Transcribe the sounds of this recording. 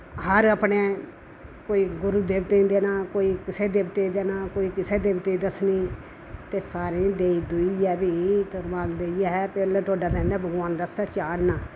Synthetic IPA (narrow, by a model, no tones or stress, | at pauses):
ɦəɾəpɳeː | koːiːɡʊɾuːd̪eːbt̪ẽːd̪eːnãːkoːiːkɪseːd̪eːbt̪eːd̪eːnãːkoːiːkɪseːd̪eːbt̪eːd̪əsniː | t̪eːsaːɾĩːd̪eːiːd̪ʊiːɛːbiːt̪əɾʋaːld̪eːiɦɛːpelːʈoːɖaːd̪ɛ̃ːnd̪aːbəɡãːnd̪əst̪ɛːt͡ʃaːɽnaː